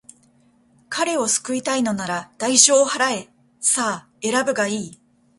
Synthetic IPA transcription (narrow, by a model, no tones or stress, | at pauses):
kʰaɾe̞o̞sɨ̥kɯ̟it̪aino̞naɾad̪̥aiɕo̞ːhaɾae̞ | saː | e̞ɾabɯ̟ɡaiː